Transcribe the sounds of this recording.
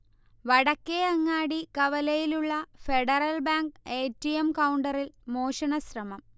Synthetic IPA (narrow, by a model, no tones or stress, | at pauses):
ʋɐɽɐkːeɐŋːaːɽikɐʋɐlɐjiluɭːɐfe̞ɽɐrɐlbaːŋɡeːtːijemkɐwɳɖɐrilmo̞ːɕɐɳɐɕrɐmɐm